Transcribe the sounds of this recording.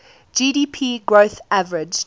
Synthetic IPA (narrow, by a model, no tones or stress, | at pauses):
d͡ʒiːɾiːpʰiːɡɹoʊθavəɹɪd͡ʒ